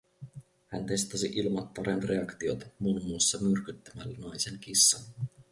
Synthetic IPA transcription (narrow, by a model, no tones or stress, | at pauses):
hænt̪e̞st̪ɑsiʔilmɑt̪ːɑɾenre̞ɑkt̪io̞t̪ɑmuːmːuːsːɑmyrkyt̪ːæmælːnɑjse̞nk̟isːɑn